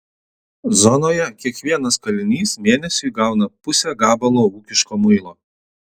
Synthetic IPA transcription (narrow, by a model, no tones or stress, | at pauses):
zɔnoːjɛkʲiɛkʋʲiɛnɐskɐlʲɪnʲiːsmʲeːnʲɛsʲʊɪɡɑˑʊnɐpʊsʲɛɡɑːbɐlˠoːuːkʲɪʃkoːmʊɪlˠoː